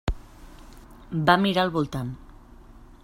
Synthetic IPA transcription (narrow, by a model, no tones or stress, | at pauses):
bamiɾalˠβulˠt̪an